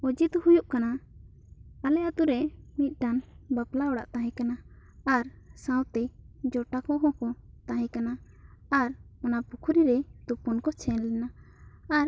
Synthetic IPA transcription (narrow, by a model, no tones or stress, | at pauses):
ɔd͡ʒit̪hujuʔkana | alɛat̪uɾɛmit̪̚ˀʈanbaplaɔɽa̰ʔt̪ãɦɛ̃kanaː | ɾ | sãwt̪ɛd͡ʒɔʈakɔɦɔ̃kɔt̪ãɦɛ̃kana | aɾɔnapukʰuɾiɾɛt̪upɔnkɔt͡ʃʰɛnlɛnaː | ɾ